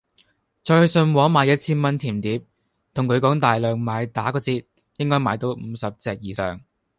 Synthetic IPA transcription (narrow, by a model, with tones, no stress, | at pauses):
t͡sɔː˧˨˧sɵ˧nwɔː˨˧˥maː˨˧˥jɐ˥t̚t͡sʰiː˥nmɐ˥nt̪ʰiː˨˩mt̪iː˨˥p̚ | t̪ʰʊ˨˩ŋkʰɵ˨˧ɥkɔː˨˥ŋt̪aː˨jlœː˨ŋmaː˨˧jt̪aː˨˥kɔː˧t͡siː˧t̪̚ | jɪ˥ŋkɔː˥jmaː˨˧˥jt̪o˨˥wm̩˨˧sɐ˨p̚t͡sɛː˨k̚jiː˨sœ̰ː˨ŋ